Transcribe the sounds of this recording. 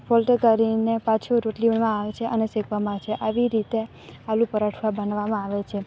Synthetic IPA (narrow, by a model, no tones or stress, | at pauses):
folʈəkəɾinepãt͡ʃʰoɾoʈliʋənmãaʋet͡ʃʰeʔənesekʰʋamãaʋet͡ʃʰeʔaʋiɾit̪e | alũpəɾaʈʰʋabənʋamãaʋet͡ʃʰe